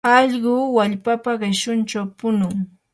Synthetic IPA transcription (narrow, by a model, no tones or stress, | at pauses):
ɑʎɢʊːwaʎpapaɢɪʃʊnt͡ʃawpʊnʊŋ